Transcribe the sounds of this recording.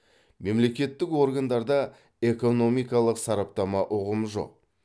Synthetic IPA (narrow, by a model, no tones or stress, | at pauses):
me̞mle̞kʲe̞t̪ːɪkwo̞ɾɡand̪ɑɾd̪ɑ | e̞ko̞no̞mijkɑlˠəqsɑɾɑp̚t̪ɑmɑʔʊʁəmʒo̞̰q̚